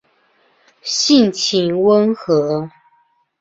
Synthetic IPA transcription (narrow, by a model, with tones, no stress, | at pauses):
ɕi˥˨nt͡ɕʰi˨˩nwə˦nxɤ˧˥˦